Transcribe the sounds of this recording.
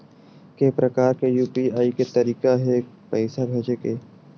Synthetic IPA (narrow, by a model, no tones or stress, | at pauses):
kepɾɐkaːɾkejuːpiaːiket̪ɐɾiːkaɦɛ | pɛːsabʱed͡ʒekeː